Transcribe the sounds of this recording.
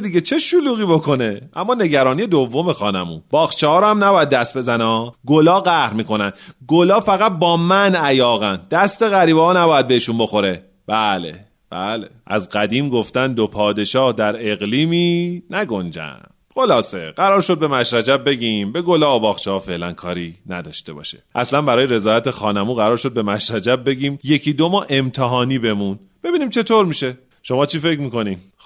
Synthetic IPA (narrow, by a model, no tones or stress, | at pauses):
d̪iɟet͡ʃʰe̞ʃoluːɣiːbo̞kʰo̞ne̞ʔæmːɒːne̞ɟæɾɒːnije̞d̪ovːo̞me̞xɒːnæmṵːb̥ɒːxt͡ʃʰehɒːɾɔhæmnæbɒːjæd̪ːæst̪̚be̞zænɒːɡolɒːɣæhɾmiːko̞nænd̪ɡolɒːfæɣæt̪̚bɒːmænæjɒːɣænd̪̥æst̪e̞ɣæɾiːbɒɒːnæbɒːjæd̪̚beeʃunbo̞xo̞ɾe̞ | b̥æːlḛ | b̥æ̰leʔæ̰zɢæd̪iːmɡo̞ft̪ænd̪opʰɒːd̪e̞ʃɒːhd̪æɾe̞ɣliːmiːnæɡo̞nd͡ʒæ̰nd̪̥xo̞lɒːse̞ɢ̥æɾɒːɾʃo̞d̪̚be̞mæʃɾæd͡ʒæb̚be̞ɟiːmbe̞ɡolɒːobɒːxt͡ʃʰehɒːfe̞lænkʰɒːɾiːnæd̪ɒːʃt̪e̞bɒ̰ːʃḛʔæslænbæɾɒːjeɾe̞zɒːjæt̪ʰexɒːnæmuːɣæɾɒːɾʃo̞d̪̚be̞mæʃɾæd͡ʒæb̚be̞ɟiːmje̞cʰiːd̪omɒːʔe̞mt̪ʰeɦɒːniːbe̞mun | b̥e̞biːniːmt͡ʃʰe̞t̪ʰoɾmiːʃe̞ | ʃo̞mɒːt͡ʃʰiːfe̞cmiːko̞ni